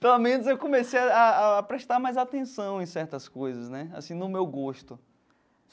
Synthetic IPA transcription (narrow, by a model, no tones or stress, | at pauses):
pelamẽnʊzewkõmesejaaːpɾeʃt̪aɾmajzat̪ẽsɐ̃w̃ẽj̃sɛɾt̪ɐskojzɐsnɛa̰sĩnʊmewɡoʃt̪ʊ